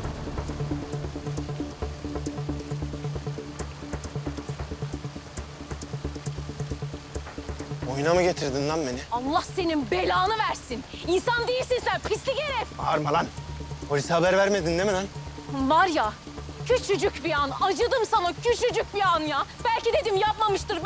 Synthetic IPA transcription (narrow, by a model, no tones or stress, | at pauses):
ojnamɯɟet̪ʰiɾd̪ind̪anbenialˠːahse̞ninbe̞lʲaːnɯvæɾsininsand̪ejiɾsinsænpʰislʲiɟe̞ɾɛfva̰ɾmalˠanpʰolʲishabæɾvæɾmed̪inːemelænvaɾja | cʰyt͡ʃʰyd͡ʒycbianad͡ʒɯd̪ɯmsanacʰyt͡ʃʰyd͡ʒyc̚bianjabælʲcid̪e̞d̪imjap̚mamɯʃt̪ɯɾ